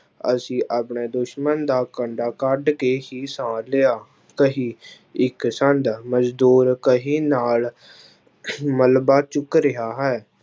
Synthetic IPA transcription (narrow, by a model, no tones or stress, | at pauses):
ə̰sĩːʔaːpɳeːd̪ʊʃmənd̪aːkəɳɖaːkəɖkeːɦiːsãːleːaː | kəɦĩː | ɪksənd̪məd͡ʒd̪uːɾkəɦiːnaːl | məlbaːt͡ʃʊkɾɪɦaːɦɛː